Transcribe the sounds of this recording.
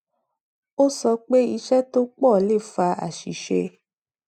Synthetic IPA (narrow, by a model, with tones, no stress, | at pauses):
o˦sɔ˧k͡pe˦i˧ʃɛ˦to˦k͡pɔ˦˨le˦˨fa˧a̰˨ʃi˨ʃe˧